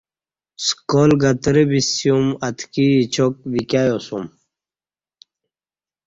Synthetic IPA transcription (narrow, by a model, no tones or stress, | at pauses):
skoːlɡɐt̪ɾebisjumɐt̪ʰkiːt͡ɕʰok̚ʋikjajosum